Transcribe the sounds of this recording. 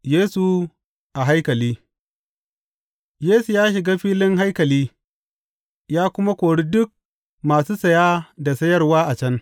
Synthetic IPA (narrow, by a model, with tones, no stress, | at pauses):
jeː˦su˨ | ʔa˨ɦa˦jkɐ˨liː˦ | jeː˦su˨jaː˦ʃɪ˨ɡaː˦ɸiː˦lɪ˦ŋɦa˦jkɐ˨liː˦ | jaː˦kʷʊ˦ma˦kʷoː˨ɽi˦dʊ˦k̚ | maː˨suː˦sɐ˨jaː˦da˨sɐ˦jɐ˦rwaː˦ʔa˨t͡ʃɐ˦n